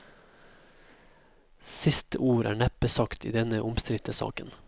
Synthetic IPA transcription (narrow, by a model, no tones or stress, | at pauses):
sɪst̪əʔuːɾʔæ̰ːɳæpəsɑkt̪ḭːd̪ɛnəʔʊmst̪ɾɪt̪əsɑ̰ːkən